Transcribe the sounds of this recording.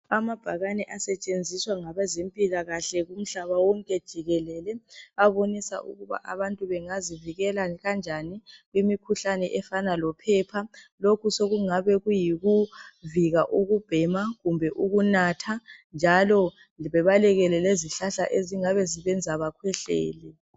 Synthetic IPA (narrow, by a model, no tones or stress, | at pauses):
amab̥ʱaɣanɛʔasɛt͡ʃʼend͡zʱiswaŋaβɛzempʼiɣaɣaɬɛɣum̩ɬaβawɔŋkʼɛd̥ʒ̥ʱiɣɛlɛlɛaβonisa̰ʔṵɣuβa̰ʔaβantʼuβɛŋaziviɣɛlaɣand͡ʒʱaniɣwimikʰuɬanɛʔɛfanalɔpʰɛːpʰalokʰusoɣuŋaβɛɣujiɣuviɣaʔuɣub̥ʱɛmaɣumbʱɛʔuɣunatʰand͡ʒʱalɔ | iβɛβalɛɣɛlɛleziɬaɬa̰ʔeziŋaβɛziβɛnd͡zʱaβakʰwɛɬɛ̰ːlɛ